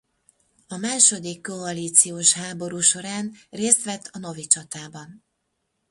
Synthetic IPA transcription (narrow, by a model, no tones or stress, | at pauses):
ɒmaːʃo̞d̪ikːo̞ɒliːt̪sijoːʃɦaːbo̞ɾuːʃo̞ɾaːnreːst̪ʋɛt̪ʰːɒno̞vit͡ʃɒt̪aːbɒn